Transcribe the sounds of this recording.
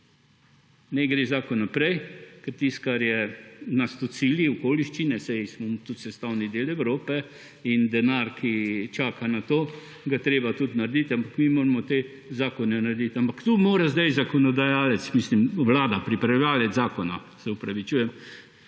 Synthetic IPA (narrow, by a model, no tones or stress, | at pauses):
nɛɡɾeːzaːkɔnːapɾɛjkɛɾt̪ist̪̚kaɾjɛnast̪ut͡ssiliɔkoːliʃt͡ʃinɛsɛjsmɔt̪ut̪sɛst̪awnid̪eːlɛwɾoːpɛ | ind̪ɛnaɾkʰit͡ʃaːkanat̪oː | ɡat̪ɾeːbat̪ut̪naɾd̪it̪ampakmimoːɾamɔt̪e | zaːkɔnɛnaɾd̪it̪ampakt̪umoːɾazd̪ajzakɔnɔd̪ajaːlɛt̪smislimʋlaːd̪apɾipɾalaːlɛzaːkɔna | sɛupɾɐʋit͡ʃuːjɛm